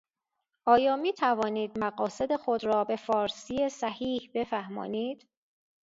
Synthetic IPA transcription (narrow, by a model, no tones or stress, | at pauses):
ʔɒːjɒːmiːt̪ʰævɒːniːd̪̚mæɣɒːse̞d̪e̞xo̞d̪ɾɒːbe̞fɒːɾsijesæhiːhbe̞fæhmɒ̰ːniːd̪̥